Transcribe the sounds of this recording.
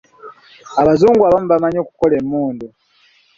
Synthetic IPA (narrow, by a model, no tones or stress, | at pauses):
aβazuːŋɡuaβamuβamaɲo̞ːkuko̞lemːuːndu